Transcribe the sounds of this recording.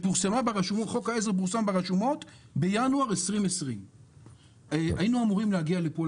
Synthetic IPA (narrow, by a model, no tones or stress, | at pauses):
puʁsamabeʁeʃumoχo̞kaez̬eʁp̬uʁsambeʁeʃumo̞t | bejanuaʁesʁimesʁim | ainuamuʁimlehaɡialepo